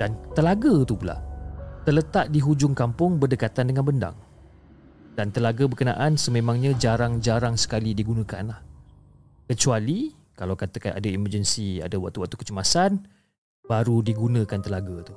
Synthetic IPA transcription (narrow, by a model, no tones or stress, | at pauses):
d̥ant̪əlaɡat̪upula̰ʔt̪ərlət̪at̪̚diɦud͡ʒʊŋkampʊŋbərdəkat̪andəŋanbənda̰ŋ | dant̪əlaɡəbərkəna̰ʔansəmemãŋɲãd͡ʒaɾaŋd͡ʒaɾaŋsə̥kalidiɡunə̃ka̰nlah | kət͡ʃuali | kalawkat̪əkana̰daimərd͡ʒənsia̰dawak̚t̪uwak̚t̪u̥kə̥t͡ʃəmasan | baɾudiɡunə̃kant̪əlaɡat̪u